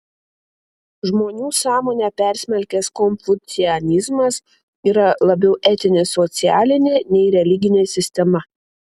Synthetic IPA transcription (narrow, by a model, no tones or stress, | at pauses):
ʒmoːnʲuːsɑːmoːnʲɛːpʲɛˑɾʲsʲmʲɛlʲkʲɛskɔnʲfʊt̪sʲɪɛnʲɪzmɐs | iːɾɐlˠɐbʲɛʊʔɛt̪ʲɪnʲɪsɔt̪sʲɪæːlʲɪnʲeːnʲɛɪɾʲɛlʲɪɡʲɪnʲeːsʲɪsʲt̪ʲɛmɐ